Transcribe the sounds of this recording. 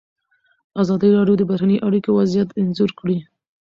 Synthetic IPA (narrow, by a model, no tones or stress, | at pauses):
azɑd̪əɾɑɖjod̪əbaɾanəjʔaɽikowazjat̪ɪnzuɾkɽi